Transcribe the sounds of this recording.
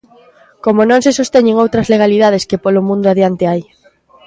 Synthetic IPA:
komonõŋsesost̪eɲeŋowt̪ɾɐzleɣ̞aliðað̞eskepolomũnd̪ʊaðjant̪eaj

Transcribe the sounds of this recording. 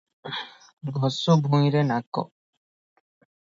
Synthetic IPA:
ɡʱɔsobʱũj̃ɾɛnakːɔ̰

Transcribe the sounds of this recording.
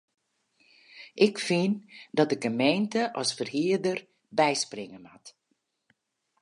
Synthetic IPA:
ʔɪkfindɔt̚əɡəmejntəʔɔsfərhiədər | bɛjsprɪŋəmat

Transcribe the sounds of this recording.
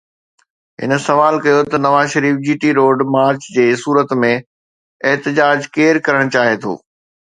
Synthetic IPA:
ɦɪ̰nsɐʋaːlkɐjot̪ɐnɐʋaːzʃɐɾiːfd͡ʑiːʈiɾoːɖmaːɾt͡ɕd͡ʑeːsuːɾət̪mẽ | ɪɦt̪ɪd͡ʑaːd͡ʑkeːɾkɐɾəɽ̃t͡ɕaːɦet̪ʰo̰ː

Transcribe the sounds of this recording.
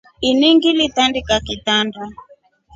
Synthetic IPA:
iniŋɡilitandikakitanda

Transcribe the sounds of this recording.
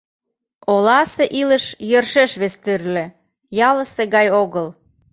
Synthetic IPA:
olɑseʔilə̆ʃjərʃeʃβest̪øɾlĕ | jɑlə̆seɣɑjoɣəl

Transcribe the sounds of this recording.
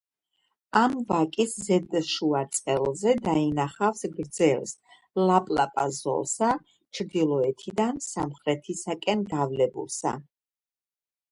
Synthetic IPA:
amvakʼiszɛd̪ʃuat̪sʼɛlzɛd̪ainaχafsɡɾd̪zɛlˠs | lapʼlapʼazɔ̰lˠsa | t͡ʃʰɾd̪ilˠɔɛt̪ʰid̪ansamχɾɛt̪ʰisakʼɛnɡavlɛbṵlˠsa̰

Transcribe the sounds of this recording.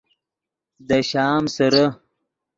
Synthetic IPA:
d̪əɕɑːmsɐɾa

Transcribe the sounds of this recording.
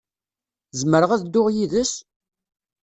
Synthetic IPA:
zəməɾəʁæðd̪ːʊʁjiðəs

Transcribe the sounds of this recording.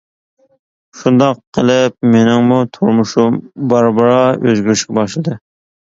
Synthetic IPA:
ʃund̪ɑqʰːəlˠɪp̚menɪŋmut̪ʰuɾmuʃumbɑɾbɨɾɑø̰zɡʲyɾyʃkʲɛbɑʃlˠɨd̪ɨ

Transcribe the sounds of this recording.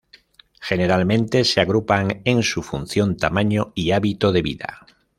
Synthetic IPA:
xe̞ne̞ɾalmẽ̞nt̪eseaɣ̞ɾupaŋeŋsufunθjont̪amaɲoiaβit̪oðe̞βḭða̰

